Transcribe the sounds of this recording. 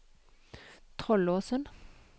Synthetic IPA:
t̪ʰʁɔloːsən

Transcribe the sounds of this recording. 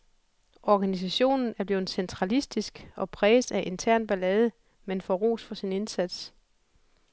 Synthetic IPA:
ɒɡ̥ænis̬æɕo̝̰ːnn̩æɐb̥le̝ːð̩ˠsent͡sʰʁɑ̈lisd̥isɡ̥ɒ̽pʰʁɛːsæʔe̝nt͡sʰæɐ̰nb̥ælɛð̞ˠə | menfɒʁo̝̰ːsfɒ̽sine̝nsæd̥s

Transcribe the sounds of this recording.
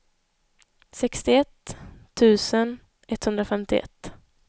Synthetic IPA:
sɛkst̪ɪɛt̪ʰːʉ̟ːsən | ɛt̪hɵnd̪ɾafɛmt̪ɪɛ̰t̪ː

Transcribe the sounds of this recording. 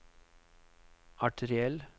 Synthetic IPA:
ɑʈʰəɾɪɛl

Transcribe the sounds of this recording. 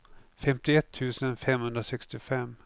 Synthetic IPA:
fɛmt̪ɪɛt̪ʰːʉ̟ːsənfɛmhɵnd̪ɾasɛkst̪ɪfɛmː

